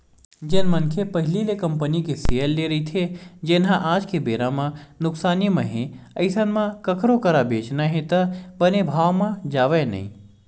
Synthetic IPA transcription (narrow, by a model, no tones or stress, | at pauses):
d͡ʒenmənkʰepəɦɪlilekɐmpənikeseəlːeɾəit̪ʰed͡ʒenɦãʔaːd͡ʒkebeːɾamãnʊksaːnimãɦẽəɪsənmãkəkɾokəɾabeːt͡ʃnaɦẽt̪ɐbənebʱaːʋmãd͡ʒaːʋena̰ḭ̃